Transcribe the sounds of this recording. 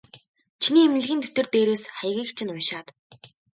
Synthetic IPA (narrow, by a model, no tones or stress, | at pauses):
t͡ɕʰiniːem̆ɮɘ̆xĭːnt̪ʰɵ̥t̪ɘ̆rt̪eːɾeːsχæj̆ɣʲiːkt͡ɕʰɪ̆nʊnʃaːt̪